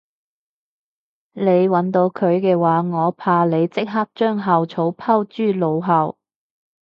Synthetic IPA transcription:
le˨˧jwɐ˨˧˥nt̪o˨˧wkʰɵ˨˧ɥkɛː˧waː˨˧ŋɔː˨˧pʰaː˧le˨˧jt͡sɪ˥k̚ɦaː˥k̚t͡ʃœː˥ŋɦɐ˨wt͡sʰo˨˥wpʰɐ˥wt͡ʃyː˥˩lo˨˧wɦɐ˨˧w

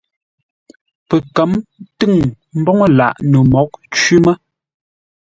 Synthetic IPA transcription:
pə˨kə˨˦mtɨ˦˨ŋ | m̩˦bɔ˦ŋə˦la̰˨ʔnə˨mɔ˨˦k̚t͡ʃwi˦mə˦

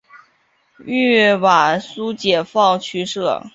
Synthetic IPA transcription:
y˥˩wa˨˩su˥t͡ɕjɛ˨˩fɑ˥˩ʊt͡ɕʰy˥ʂɤ̰˥˩

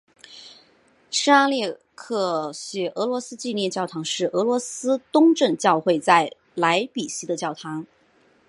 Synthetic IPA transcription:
ʂɻ̩˥a˥ljɛ˥˧ | kʰɤ˥˩ɕɥɛ˧˥ʔɤ˧˥lwɔ˧˥sɹ̩˥t͡ɕi˥˧njɛ˥˧nt͡ɕjɑ˥˩ʊt̪ʰɑ˧˥ŋʂɻ̩˥˩ʔɤ˧˥lwɔ˧˥sɹ̩˥t̪ʊ˥ŋʈ͡ʂɤ˥˧ŋt͡ɕjɑ˥˧ʊxwe˥˧ɪt͡sa˥˩ɪ | la˧˥ɪpi˨˩ɕi˧˥d̪ə˧t͡ɕjɑ˥˩ʊt̪ʰɑ˧˥ŋ

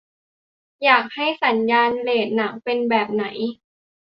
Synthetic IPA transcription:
jaː˨˩k̚ha˥˩jsa˩˦njaː˧nleː˨˩t̪̚na˩˦ŋpe˧nbɛː˨˩p̚na˩˦j

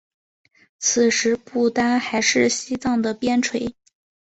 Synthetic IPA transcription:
t͡sʰɹ̩˨˩ʂɻ̩˧˥pu˥˩t̪a˥nxa˧˥ɪʂɻ̩˥˩ɕi˥t͡sɑ˥˩ŋd̪ə˩pjɛ˥nʈ͡ʂʰwe˧˥ɪ

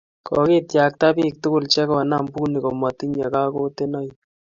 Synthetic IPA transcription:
kʰɔ̰˨ki˦tja˨k̚ta˦bi˦k̚tʊ˦kʊ˦˨lt͡ʃɛ˦kɔ˨na˦˨mbu˦ni˨ko˨ma˨ti˦ɲa˨ka˦ko˦te˦nɔ˦j

